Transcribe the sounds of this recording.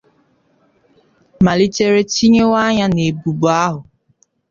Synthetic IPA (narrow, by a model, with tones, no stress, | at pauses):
ma˨li˦t͡ʃe˦ɾe˦t͡ʃi˦ɲe˦wa˦ɲa˦ne˨bu˨bu˨a˦ɦʊ˨